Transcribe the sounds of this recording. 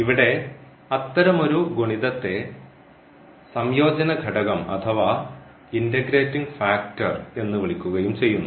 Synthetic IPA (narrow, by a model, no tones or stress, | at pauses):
iʋiɽe̞ | ɐt̪ːɐɾɐmo̞ɾuɡoɳiðɐt̪ːe̞ | sɐmjo̞ːd͡ʑɐnɐɡʱɐɽɐɣɐmɐ̰t̪ʰɐʋa | indɐɡɾeːtːiŋɡfaːk̚tɐre̞nːɨʋiɭikʲːuɣɐjumt͡ɕe̞jːunːu